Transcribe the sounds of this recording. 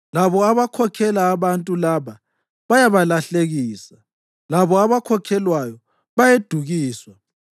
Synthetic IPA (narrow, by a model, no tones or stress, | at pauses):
laβɔaβakʰɔkʰɛlaːβantʼulaβa | βajaβalaɬeɣiːsa | laβɔaβakʰɔkʰɛlwajɔ | βajed̥ʱuɣiːswa